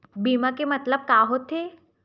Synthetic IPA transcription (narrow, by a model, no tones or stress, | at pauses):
biːmakemət̪ləb̚kaɦot̪e